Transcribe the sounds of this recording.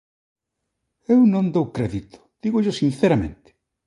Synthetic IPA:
ewnõnd̪owkɾɛðit̪ʰʊ̥d̪̥iɣʊʎʊsinθeɾɐmḛ̃nt̪ɪ̥

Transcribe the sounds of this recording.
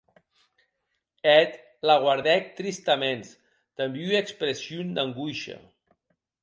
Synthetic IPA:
ɛt̪ | laɣ̞waɾðɛk̚t̪ɾist̪amens | d̪̥əmbyekspɾesjund̪aŋɡujʃa̰

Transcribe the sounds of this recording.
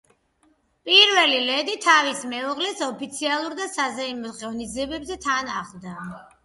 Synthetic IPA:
pʼiɾvɛlilɛd̪it̪ʰavismɛɔʁlɛsɔpʰit̪sʰialˠuɾd̪asazɛimɔχɛvnid̪ziɛbɛbzɛt̪ʰanaʁlˠd̪a

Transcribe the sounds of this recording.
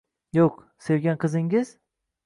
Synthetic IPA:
jok | sevɡʲænkʰɯziŋɟiz̥

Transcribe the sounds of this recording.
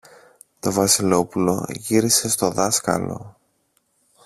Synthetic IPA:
t̪o̞vɐsilo̞pulo̞̰ʝiɾise̞st̪o̞ðɐskɐ̰lo̞̰

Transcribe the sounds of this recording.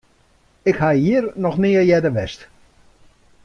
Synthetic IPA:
ɪkhajɦiərnɔxnɪəjɛdəʋɛst

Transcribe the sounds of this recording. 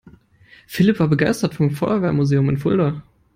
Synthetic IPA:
fɪlɪpv̥aːɐbəɡaɪstɐtfɔmfɔʏɐvɛɐmuzeːʊmɪnfʊldɐ

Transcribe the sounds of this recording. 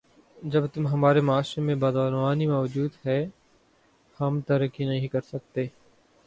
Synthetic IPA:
d͡ʒəbt̪ʊmɦɐmaːɾemɐaːʃɾemẽbaːd̪aːnʋaːnimaːʋd͡ʒuːd̪ɦɛː | hɐmt̪əɾəkːinɐɦĩkɐɾsək̚t̪eː

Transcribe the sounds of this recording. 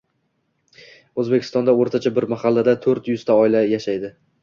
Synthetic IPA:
ɵzbekʲɪst̪ɒnd̪aoɾt̪ʰat͡ʃʰabɪɾmaχɑlːad̪at̪ʰɵɾt̪jʊz̥t̪ʰaɒɪlajaʃajd̪ɪ

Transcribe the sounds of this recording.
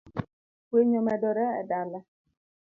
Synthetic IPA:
weɲɔmɛdɔɾɛɛ̰dalɛ

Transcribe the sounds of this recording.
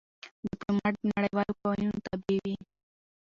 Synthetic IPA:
ɖɪplomaʈ̚naɽajwalokawajunt̪abiwi

